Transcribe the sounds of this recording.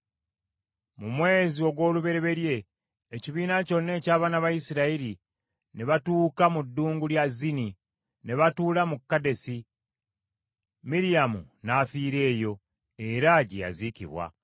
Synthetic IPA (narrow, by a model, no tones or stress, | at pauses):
mumwe̞ːzio̞ɡwo̞ːluβe̞ɾe̞βe̞ɾje̞ː | ciβiːnaco̞nːe̞ːcaːβaːnaβajisiɾaiɾi | neβatuːkamudːuːŋɡuljazini | neβatuːlamukːade̞si | miɾijamṵnafiːɾe̞ːjo̞ | e̞ɾaɟḛja̰zicḭβwa̰